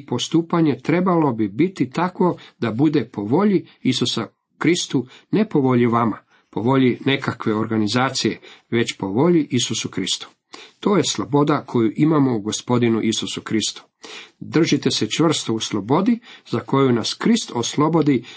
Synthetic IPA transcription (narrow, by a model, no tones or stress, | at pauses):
po̞st̪uːpaɲe̞t̪ɾe̞balo̞bibit̪it̪akʋo̞d̪abud̪e̞po̞ʋo̞ʎiisusa | kɾist̪une̞po̞ʋo̞ʎiʋama | po̞ʋo̞ʎine̞kakʋe̞o̞ɾɡanizaːt̪sije̞ʋe̞t͡ɕpo̞ʋo̞ʎiʔisusukɾist̪u̥ | t̪o̞ːje̞slˠo̞bo̞d̪akʰo̞juʔimamo̞uɡo̞spo̞d̪inuʔisusukɾist̪u̥ | d̪r̩ʒit̪e̞se̞t͡ʃʋr̩st̪ouslˠo̞bo̞d̪izako̞junaskɾist̪o̞slˠo̞bo̞d̪i